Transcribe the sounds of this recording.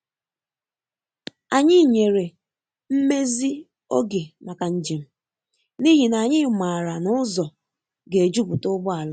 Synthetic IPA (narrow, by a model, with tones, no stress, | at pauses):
a˨ɲɪ˦˨ɲe˨ɾe˨ | m̩˦me˦zi˦ | o˦ɡe˨na˨ka˨n̩˨d͡ʒi˨m̩˦ | ni˦ɦi˨na˨ɲɪ˦ma˨ɾa˨nʊ˦zɔ˨ | ɡe˨e˨d͡ʒu˦bʊ˨tʊ˦bʊ˦a˨la˦